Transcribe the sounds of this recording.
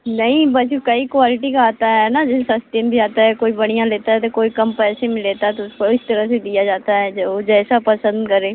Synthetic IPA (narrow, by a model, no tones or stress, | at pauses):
nəĩːbəskəiːkʋaːlɪʈiːkaaːt̪aɦɛnaːd͡ʒɪsast̪eːmbʱiːaːt̪aːɦɛːkoːiːbəɽ̃ijãːleːt̪aɛt̪ekoːikəmpɛːsẽmɪ̃leːt̪aɛt̪ʊsɪst̪əɾãːseːd̪ijaːd͡ʒaːt̪aːɦɛːd͡ʒeod͡ʒɛːsaːpəsənd̪kəɾeː